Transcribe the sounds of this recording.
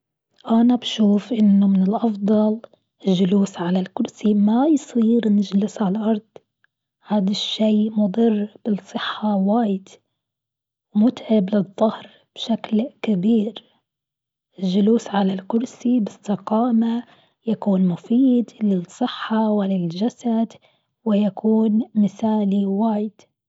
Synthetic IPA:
ʔanabʃuːfʔɪnːʊmɪnɪlʔɑfd̪ˤɑl | ɪlʒʊluːsʕalalkʊɾsimajsˤiːɾnɪd͡ʒlɪsʕalʔɑɾˤd̪̥ˤ | haːd̪aʃːejmʊd̪ˤɨrːb̥ɪsˤːɨħːawaːjɪd̪ | wmʊt̪ʕɪblɨðˤːʊhɾ | b̥ʃaklkabiːɾ | ɪlʒʊluːsʕalalkʊɾsibɪst̪ɪqɑːma | jakuːnmʊfiːd̪lɪsˤːɨħːawɪlːɪlʒasad̪ | wɪjakʰuːnmɪθaːliwaːjɪd̪̥

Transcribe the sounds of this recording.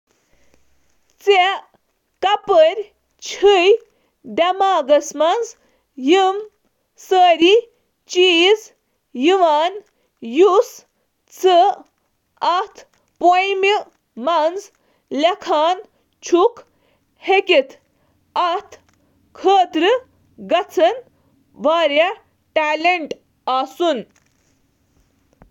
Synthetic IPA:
t͡se | kɐpəɾʲ | t͡ʃʰɨj | ɖɐmaːɡɐsmɐnz | jɨm | səːɾi | t͡ʃiːz | jɨʋaːn | jus | t͡sʰɨ | ɐht̪ʰ | pojmi | mɐnz | lɐkʰaːn | t͡ʃʰuk | hekit̪ʰ | ɐt̪ʰ | kʰəːt̪ɾɨ | ɡɐt͡sʰɐn | ʋaːɾja | ʈaːleɳʈ | aːsun

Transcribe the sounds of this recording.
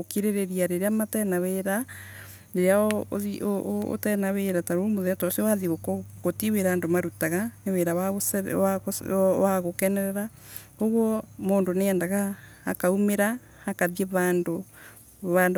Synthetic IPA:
okiɾeɾeɾiaɾeɾeamatɛnaweɾa | ɾeɾeaiʔoo̰tɛnaweɾataɾoomoðeatɔsiewaðiɣokɔɣotiweɾaːndomaɾutaɣaneweɾawaɣoswaoswaɣokɛnɛɾɛɾa | oɣɔmoːndoneɛːndaɣaː | kaumeɾaː | kaðjeβaːndo | βand

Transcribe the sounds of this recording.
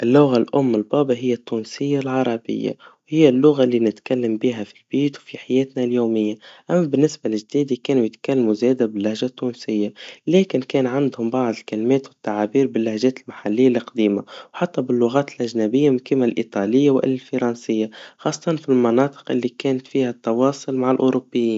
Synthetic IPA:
ʔɪlːʊɣalʔʊmːɪlbɑːbaɦɪjːat̪ːuːnsɪjːalʕɑɾˤɑbɪ̰jːa̰whɪjːalːʊɣaʔlːinɪt̪kalːambiːɦafi̥lbiːt̪wfiħajɛːt̪naljoːmɪjːaʔamːabɪnːɪsbalɪʒd̪iːd̪ikɛːnujɪt̪kalːamuzɛːd̪abɪlːahʒat̪ːuːnsɪjːalɛːkɪnkɛːnʕand̪hʊmbɑʕd̪ˤɪlkalmɛːt̪wɪt̪ːaʕaːbiːɾbɪlːahʒɛːt̪ɪlmaħalːɪjːalɪqd̪iːmawħat̪ːabɪlːʊɣɑːt̪ɪlʔaʒnabɪjːamɪnkɪmːalʔḭt̪ˤɑːlɪjːawʔɪ̰lːlfɑɾˤɑnsɪjːaxɑːsˤːɑ̥t̪ˤɑnfilmɑnɑːt̪ˤɨ̥qʔɪlːikɛːnat̪fiːhat̪ːɑwɑːsˤʊlmaʕalʔʊɾʊbːɪjːiːn

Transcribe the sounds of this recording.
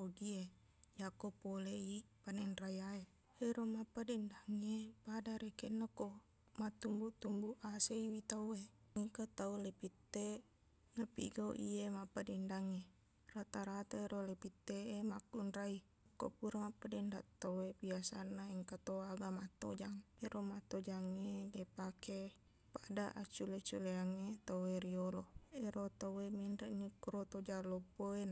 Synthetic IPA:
oɡie | jakopoleipanɛnrajae | heɾomapːadɛndaŋepadaɾekɛnako | mat̪umbut̪umbuʔaseiwit̪aueiŋkat̪aulepit̪ːe | napḭɡaṵʔḭemapadɛndaŋe | rat̪aɾat̪aeɾolepit̪ːeʔemakːunɾai | kːo̰puɾamapːadɛndaʔt̪oebiasanːaiŋkat̪oaɡamat̪o̰d͡ʒaŋeɾomat̪od͡ʒaŋedepake | padaʔat͡ʃulet͡ʃuleaŋet̪oweɾioloeɾot̪aweminɾɛʔnikuɾot̪od͡ʒalopoena

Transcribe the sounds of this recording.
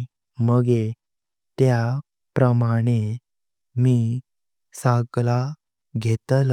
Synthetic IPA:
məɡe | t̪ja | pɾəmaɽ̃e | miː | sakla | ɡʱet̪əl

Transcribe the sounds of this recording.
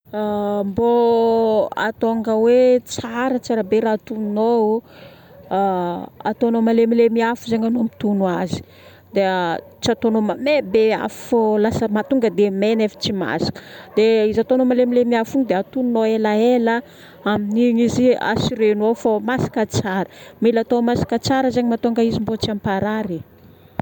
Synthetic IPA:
mbo | a̰t̪oŋɡəwet͡saɾət͡saɾəbeɾat̪unno | a̰t̪onomalemilemiafuzeɲanomit̪unuazi̥ | d̪e | t͡siat̪onomamebea̰fu̥folasəmat̪uŋɡəd̪emenefə̥t͡sima̰sḁkə̥d̪̥eizat̪onomalemilemiafuŋid̪eat̪ununoelaelə | aminiŋizia̰siɾenofomasḁkət͡saɾəmilat̪omasḁkət͡saɾəzeɲimat̪oŋɡaizimbot͡siampaɾaɾe

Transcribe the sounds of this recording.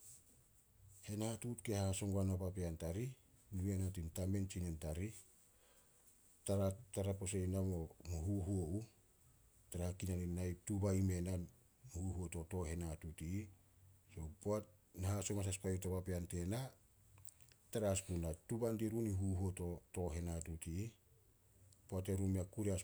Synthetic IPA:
he̞natutke̞haso̞ŋɡuanapapeantaɾinuanatintame̞nt͡ʃinentaɾi | taɾataɾaposejnamo̞muhuɦuoʔu | taɾahakinaninːajp̚tubaime̞nan | huhuoto̞to̞ɦe̞natutiː | so̞poat̚ | nahaso̞mas̬aspajutapapeante̞na | taɾaspunatubantiɾuniɦuɦuoto̞to̞ɦe̞natutiː | poate̞ɾumiakuɾeas

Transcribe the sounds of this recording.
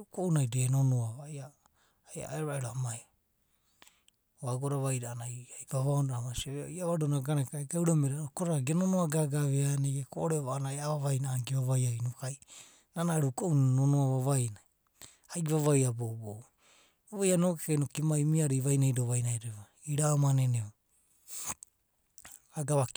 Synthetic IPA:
ɾukownajdenonoaβaa | ja̰eɾɾaeɾoamaj | oaɡoɾaβajɾaːnajajvaβaondamasiaβeoiaβadonaɡanakaɡawɾameɾaokoɾaɾɡenonoaɡaɡaβeaneɡekoʔoɾeβanajaβaβajnaːɡiβaβajaɾinokaj | nanaɾukounonoaβaβajna | ajβaβajabobo | aβajano̞kekajnokimaimiaɾiβajnajdoβajnajɾeβa | iɾamaneneo | aɡaβa

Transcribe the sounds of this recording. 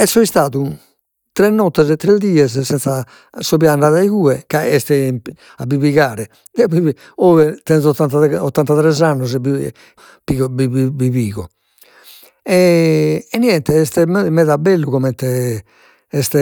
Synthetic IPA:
ɛsːɔist̪aːðu | t̪ɾɛnːɔt̪ːɛzɛt̪ːɾɛd̪iːɛssɛnsa | sɔβiaɳɖaðaiɣuːɛkaɛst̪ɛm | abiβiɣaːɾɛ | bii | ɔːvɛt̪ɛnzɔt̪ːant̪aɔt̪ːant̪at̪ɾɛzanːuzɛbi | piɔbiibiβiːɣɔ | ɛ | ɛnːiɛnt̪ɛɛst̪ɛɛmɛðabɛlːuɣɔmɛnt̪ɛ | ɛst̪ɛ

